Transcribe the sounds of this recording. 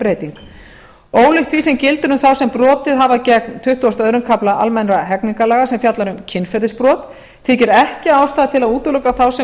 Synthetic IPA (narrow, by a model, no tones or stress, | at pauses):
pɾeːjt̪iŋk | oːwlɪxt̪ʰvisɛmcɪlt̪ʏɾnʏmθawsɛmpɾɔːt̪ɪðɦavacɛk̚nt̪ʰʏht̪uast̪œːɥɾʏnkʰaplaʔa̰lmɛnɾaɦɛkniŋkalaːɣasɛmfjat̪laɾʏmcʰɪnfɛɾðɪspɾɔːt̪ | θʰɪcɪɾɛhcɪawst̪aːðt̪ʰɪlaðuːt̪ʏlœkaθawsɛ